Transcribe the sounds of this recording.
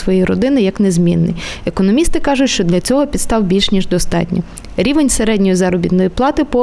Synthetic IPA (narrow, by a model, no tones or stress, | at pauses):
sʋɔjijɾɔd̪ɪnɪjɐknezmʲḭnːɪ̰jekɔnɔmʲist̪ɪkɑʒʊtʲʃt͡ʃɔd̪lʲɐt͡sʲɔɦɔpʲid̪st̪ɑwbʲilʲʃnʲiʒd̪ɔst̪ɑ̰tʲnʲḭ | ɾʲiʋenʲseɾɛdʲnʲɔjizɑɾɔbʲit̪nɔjiplˠɑt̪ɪpɔ